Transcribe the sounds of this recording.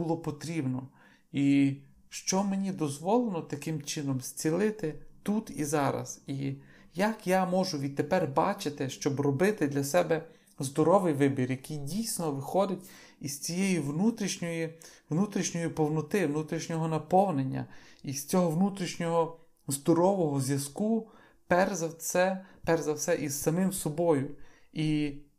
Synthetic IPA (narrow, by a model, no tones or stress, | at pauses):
bulˠɔpɔt̪ɾʲibnɔ | i | ʃt͡ʃɔmenʲid̪ɔzʋɔlˠelˠɔt̪ɐkɪmt͡ʃɪnɔmsʲt͡sʲilˠɪt̪ɪt̪ut̪izɑɾɐ̰z̥i | jakjamɔʒʊʋʲid̪̚t̪ːepɛrbɑ̰t͡ʃɪt̪ɪʃt͡ʃɔbrɔbɪt̪ɪd̪lʲɐsɛbɛ | zd̪ɔɾɔʋɪjʋɪbʲirjɐkɪjdʲijsʲnɔʋɪxɔd̪ɪtʲ | iz̥t͡sʲijɛjiwnut̪ɾʲiʃnʲɔji | wnut̪ɾʲiʃnʲɔjipɔwnɔt̪ɪwnut̪ɾʲiʃnʲɔɦɔnɐpɔwnenʲːɐ̰ist͡sʲɔɦɔʋnut̪ɾʲiʃnʲɔɦɔ | zd̪ɔɾɔʋɔɦɔzʲʋjɐsku | pɛrzɐsɛpɛrzɐwsɛʔiz̥sɐmɪmsɔbɔjʊ | i